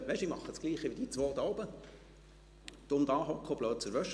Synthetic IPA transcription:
ʋɛɪʃimɑχːəskliːχəʋid̪it͡sʋoːt̪ɔːbə | d̪̥ʊmd̪ɑːɦɔkʰːob̥løːtt͡sɛɾʋœʃ

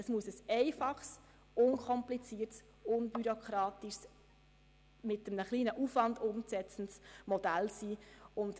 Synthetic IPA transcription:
əsmuəsəsɛɪfɑχs | ʊnkʰɔmplit͡siːəɾts | ʊnbyɾokʰɾɑːtiʃs | mɪtəmnəχliːnəʔuːfvɑndʊmsɛt͡sn̩tsmɔd̥ælsiːʊnt

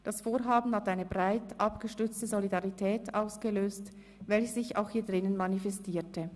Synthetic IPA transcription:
d̥asfoːɾɦaːbn̩hatʔaɪnəbʁaɪtʔɑpɡ̥əʃtʏt͡stəzolidaʁitʰɛːtaʊsɡ̥əløːst | vɛlçəz̥ɪça̰ʊxhiːɐdʁɪnənmanifɛstiːtə

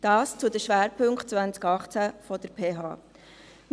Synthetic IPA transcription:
d̥ɑːst͡sʊdəʃʋæːɾpʰɵŋkχtt͡sʋvænt͡skɑχt͡sæfɔd̥əɾpʰeːɦɑ̰ː | m

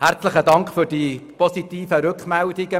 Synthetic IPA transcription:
hæɾt͡sləχədɑŋkχfʏɾd̥iːpɔsit̪iːfəɾʉkχmældɪɡə

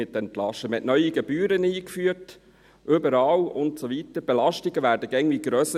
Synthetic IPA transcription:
ɪt̚dɛnplɑʃtəməɛtnœʏiɡɛb̥yːɾəniːkfyːt | ʔʏbəɾɑːlʊntsoʋitəɾb̥elɑʃtiɡəʋæːɾdəɡɛɪŋʋiɡ̥ɾœsə

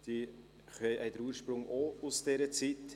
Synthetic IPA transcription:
d̥i | χœjʔɛɪd̪əɾuːɾʃpɾʊŋʔousd̥ɛɾət͡sit

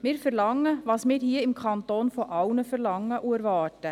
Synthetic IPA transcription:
mɪːɾfɛɾlɑŋːəʋɑːsmɪːɾhiːɪmkʰɑnt̪oːnfɔʔɑʊnəfɛɾlɑŋːəʔuəɾʋɑːtə

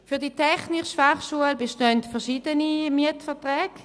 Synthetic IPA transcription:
fyːɐditʰɛχnɪʃʃfaχʃuəlbeʃtøntfɛɐʃiːdənimiətfɛɐtʁɛːɡ̥

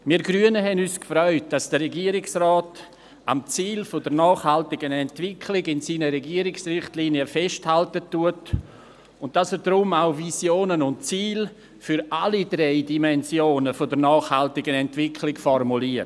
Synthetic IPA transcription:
miːɡɾyənəɦɛnyːskfɾœʏt̚d̥ɑsd̥əɾɛɡiəɾɪksraːt | amt͡siːlfodəɾnɑːχhaltɪɡənɛntvɪkʰlɪɡɪnsiːnəɾɛɡiːəɾɪksrɪχtliːniəfɛʃthaltətːuət | ʊnt̚d̥asɛɾdɾʊmaʊvisjoːnənʊntt͡siːl | fʏɾalidɾeɪdimɛnsjoːnəfodəɾnɑːχhaltɪɡənɛntvɪkʰlɪɡfɔrmuliə

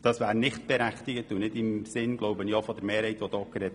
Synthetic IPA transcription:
d̥ɑsʋæːɾnɪχt̚b̥ɛɾæχtɪɡətunɪdɪmsɪnɡ̥loʊbəniɔfɔd̥̪əɾmeːɾhɛɪtʋodɔkːəɾɛt

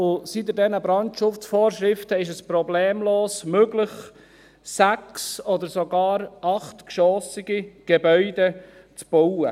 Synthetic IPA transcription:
ʊsid̪ədɛnəbɾɑntʃʊft͡sfɔːɾʃɾɪftəɪʃ̬əspɾɔbleːmloːsmøɡlɪχ | sæksɔd̪əɾsoɡɑːɾʔɑχt̪kʃɔsiɡ̥iɡ̥ebœʏdɛ | t͡sb̥ɔwə

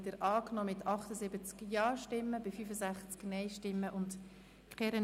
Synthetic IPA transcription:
təɾɑːknɔːmɪtʰɑχtəzɪbət͡skjɑːʃtɪmːəbɪfyːfəzæχt͡sknɛɪʃtɪmːəʔʊnt | kχɛɾə

